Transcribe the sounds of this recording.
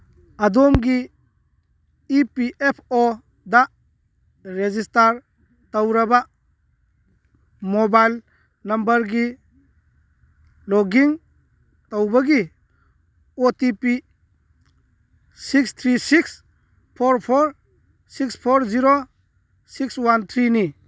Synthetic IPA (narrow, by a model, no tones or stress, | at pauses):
adomɡi | piʔepʰo | da | ɾezistaɾ | tawɾɐba | mɔbajl | nɐmbɐɾɡi | lɔɡiŋ | tawbaɡi | otipi | sikst̪ʰɾisiks | pʰoɾpʰoɾ | sikspʰoɾziɾo | sikswant̪ʰɾini